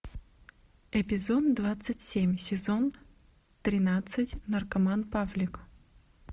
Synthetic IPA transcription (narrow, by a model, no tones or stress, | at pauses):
ɛpʲɪzot̪d̪vat̪sɨtʲsʲemʲsʲɪzo̞n | t̪ɾʲɪnat̪sɨtʲnərkɐmanpavlʲɪk